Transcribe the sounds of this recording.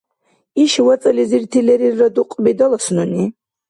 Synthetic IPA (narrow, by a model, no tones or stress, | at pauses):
iʃwat͡s̪ʼliziɾt̪ʰilɛɾiɾːad̪uqʼbid̪ɔlɔsnuni